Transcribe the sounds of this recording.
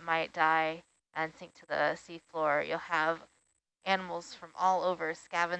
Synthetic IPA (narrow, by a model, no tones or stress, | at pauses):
maɪt̚d̥aɪ | ʔɨ̃nsɪ̃ŋk̚tʰɨðə̰siflɔɹjṵlˠəv | ʔænəml̩ˠz̥fɹʌ̃mʔɔlˠoʊvə˞skævɨ̃